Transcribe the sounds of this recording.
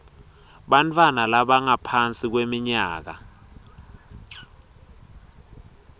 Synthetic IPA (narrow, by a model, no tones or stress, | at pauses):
ɓant͡fʰʼwanalaɓaŋapʰant͡sʼik̬wemiɲaːk̬a̰